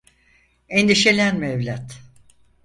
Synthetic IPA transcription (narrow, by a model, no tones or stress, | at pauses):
end̪iʃelʲænmɛvlʲat̪